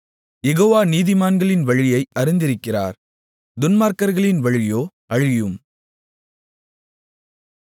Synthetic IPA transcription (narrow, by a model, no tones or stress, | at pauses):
jɛɣoːʋaːniːðɪmaːnɡɐɭɪnʋɐɻɪjɐɪɐɾɪnd̪ɪɾɯkːɪra̰ːɾ | d̪ʊnmaːɾkɐɾɣɐɭɪnʋɐɻɪjoː | ɐɻɪjɯm